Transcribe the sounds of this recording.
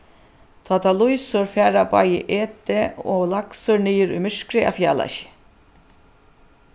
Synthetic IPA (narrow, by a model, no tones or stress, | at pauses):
t̪ʰat̪alʊjsʊɾfæːɾapa̰jɪ̰ʔeːt̪ɪolaksʊɹniːjɪɾʊ̰jmɪʂkɾɪa̰fja̰ːla̰ʃ